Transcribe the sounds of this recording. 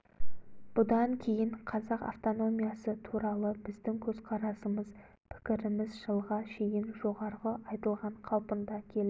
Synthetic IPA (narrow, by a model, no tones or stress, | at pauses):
b̥ʊd̪ɑŋkʲʰe̞jɪɴqʰɑzɑqa̰ft̪o̞no̞mijɑsət̪ʰuɾɑlˠəbɪzd̪ɪŋkʲʰɵzqʰɑɾɑsəməz | pʰɪ̥kʲɪɾɪmɪzʒəlˠʁɑʃe̞jɪnʒo̞ʁɑɾʁəʔɑjt̪əlˠʁɑɴqʰɑwpənd̪ɑkʲʰe̞lɪ